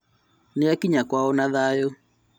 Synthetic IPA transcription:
neakiɲakwaɔnaðajo

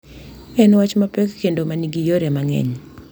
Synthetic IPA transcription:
wɛnwat͡ʃmapɛkːendomaniɡijoɾɛmaŋɛ̰ɲ

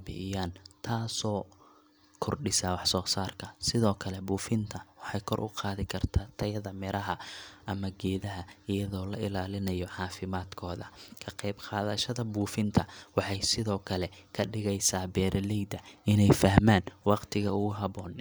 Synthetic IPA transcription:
bɪ̰ɪjaːnt̪ʰaːsɔː | kʰɔrɖɪsaːwɑħsɔːsaːrkʰɐsɪðɔːkʰɐlɛbuːfɪnt̪ʰɐwɑħɑjkʰɔɾʔʊ̰qɑːðɪkʰɐrt̪ʰaːt̪ʰɐjɐðɐmɪɾɐɦɐʔɐmɐɡɛːðɐɦɐɪjɐðɔːlɐʔɪlaːlɪnɐjɔħɑːfɪmaːd̪kʰɔːðɐ̰kʰɐqɑjbqɑːðɐʃɐðɐbuːfɪnt̪ʰɐwɑħɑjsɪðɔːkʰɐlɛkʰɐɖɪɣɛjsaːbɛːɾlɛjd̪ɐɪnɛjfɐhmaːnwɑqt̪ʰɪɣɐʊɣʊɦɑβɔːn

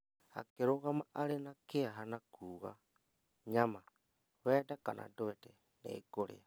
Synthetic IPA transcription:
a̰keɾoɣamaʔaɾenakeaɦanakuːɣa̰ | ɲama | wɛdakana̰doɛdɛ | nḛiɡoɾḛa

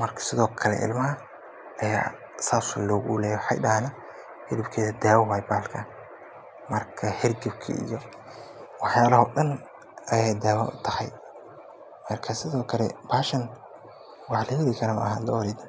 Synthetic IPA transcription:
mɐrkʰɐ̥sɪðɔːkʰɐlɛ̰ʔɪ̰lmɐɦɐ | ʔɐja̰ː | saːsɐlɔːɣʊlɛːjħɑ̰jɖɐɐnɐ | hɪɾɪbkʰɛːðɐd̪aːwwaːjbaːlkʰɐ | mɐrkʰɐhɛrɡɐbkʰɐ̰ʔḭjɔ | wɑħjaːlɐɦɔɖɐn | ɐjɛjd̪aːwɐ̰ʔʊt̪ʰɐ̥hɐj | mɐrkʰɐsɪðɔːkʰɐlɛ̰b̥aːʃɐn | wɑħlɐjɪlɪkʰɐɾɐmɐ̰ʔɐɦa̰ːnd̪ɔːɾɪd̪

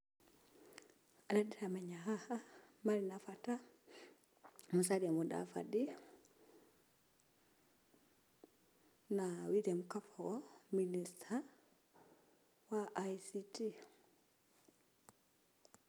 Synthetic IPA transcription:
ʔaladitamaɲaɦahamaɾinafata | musadɛmuda̰fa̰di | nawidɛmkafɔminista | waʔajsiti

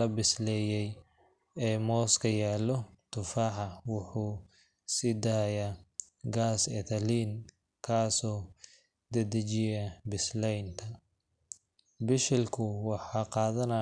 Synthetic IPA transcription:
lɐbɪslɛjɛj | ɛːmɔːskʰɐjaːlɔt̪ʰʊfaːħɑwʊħuː | sɪd̪aːjɐ | ɡaːsɛt̪ʰɐliːn | kʰaːsɔː | d̪ɐd̪ɪt͡ʃɪjɐbɪslɛjnt̪ʰɐ | bɪʃɪlkʰʊwɑħɑːqɑːðɐnɐ

